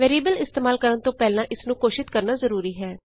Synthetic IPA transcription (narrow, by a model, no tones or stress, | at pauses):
ʋeːɾiːbəlɪst̪eːmaːlkəɾənt̪õːpɛːlãːʔɪsnũːkoːʃɪt̪kəɾnaːzəɾuːɾiːɦɛː